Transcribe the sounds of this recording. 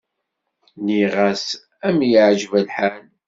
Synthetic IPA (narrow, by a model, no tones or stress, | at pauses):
niʁæs | æmjəʕʒvælħal